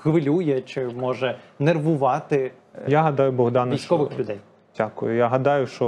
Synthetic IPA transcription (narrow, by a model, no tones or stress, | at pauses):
xʋɪlʲujɛt͡ʃɪmɔʒɛnerʋʊʋɑt̪ɪ | jaɦɐd̪ɑjʊbɔɦd̪ɑnʋijsʃsʲt͡ʃkɔʋɪxlʲʊd̪ɛj | dʲakʊ̰jʊjaɦɐd̪ɑjʊʃt͡ʃɔ